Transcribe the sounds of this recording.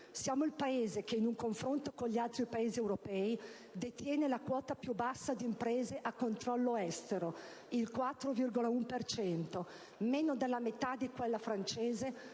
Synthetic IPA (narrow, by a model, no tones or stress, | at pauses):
sjaːmoilpaeːzekeinuŋkoɱfɾont̪okoɲʎialt̪ɾipaeːziewɾopɛːi | d̪et̪jɛːnelakwɔːt̪apjubːasːad̪iːmpɾeːzeʔakːont̪ɾɔlːoɛst̪eɾo | ilkwat̪ːɾovirɡolaumpert͡ʃɛnt̪o | menod̪elːamet̪ad̪ikwelːafɾant͡ʃeːze